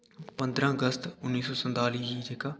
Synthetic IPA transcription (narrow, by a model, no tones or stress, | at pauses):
pə̃nd̪ɾãːəɡəst̪ʊnːiːsɔːsənt̪aːliːɦiːd͡ʒeːkaː